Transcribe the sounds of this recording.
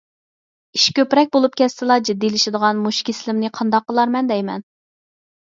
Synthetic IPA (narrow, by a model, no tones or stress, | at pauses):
iʃkʲøpɾɛk̚ʲbolˠup̚kʲʰɛst̪ɨlˠɑd͡ʒid̪ːilɪʃɪd̪əʁɑnmuʃkʲʰisɪlɪmnɪqʰɑnd̪ɑqːəlˠɑɾmɛnd̪ɛjmɛ̰n